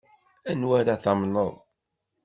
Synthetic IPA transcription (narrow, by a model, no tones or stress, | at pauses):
ænwæɾaθɑmnəðˤ